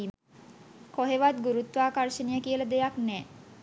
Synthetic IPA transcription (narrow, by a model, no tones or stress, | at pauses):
i | koɦeʋat̪̚ɡuɾut̪ʋaːkarʃənijəkijələd̪ejaknɛː